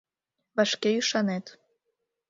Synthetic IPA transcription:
βɑʃkeyʃɑnet̪

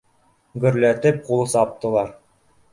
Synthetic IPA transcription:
ɡɵ̆ɾlæt̪ɘp̚qulˠɤsɑp̚t̪ɤ̆lˠɑɾ

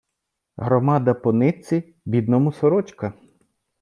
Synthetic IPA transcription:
ɦɾɔmɑd̪ɐpɔnɪt͡sʲi | bʲid̪nɔmʊsɔɾɔt͡ʃkɐ

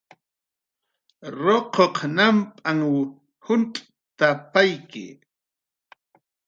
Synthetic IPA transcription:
ɾoqʰoqnampʼaŋ | hʊnt̪ʼ | t̪apajkɪ̰

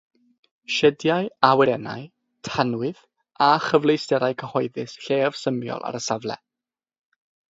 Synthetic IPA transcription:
ʃɛdjajawɛɾɛna̰j | tʰanwɪð | aχəvlˠejstɛɾajkʰəhɔɨðɨsɬeːv̥səmjɔ̰lˠʔa̰ɾəsavlɛ̰

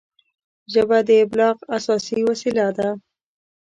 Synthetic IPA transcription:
ʒəbad̪əɪblɑqasɑsiwasilad̪a

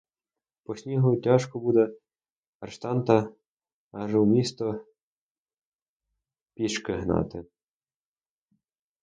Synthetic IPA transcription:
pɔsʲnʲiɦʊtʲaʃkɔbud̪ɛ | ɐrʃt̪ɑnt̪ɐ | ɑʒɛwmʲist̪ɔ | pʲiʃkɪɦnɑ̰t̪ɪ

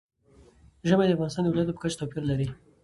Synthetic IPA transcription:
ʒəmed̪əafɣɑnɪst̪ɑnd̪əwɪlɑjat̪̬opə̥kat͡ʃt̪opiɾlaɾi

